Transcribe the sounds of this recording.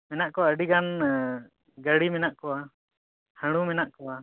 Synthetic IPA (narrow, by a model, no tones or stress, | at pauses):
mɛnaʔkɔwaəɖiɡan | ɡəɽimɛnaʔkɔwa | həɽ̃umɛnaʔkɔwa